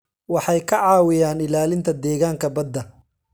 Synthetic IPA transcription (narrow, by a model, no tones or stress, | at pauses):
wɑħɑjkʰɐʕɑːwɪjaːnɪlaːlɪnt̪ʰɐd̪ɛːɣaːŋkʰɐbɐd̪ːɐ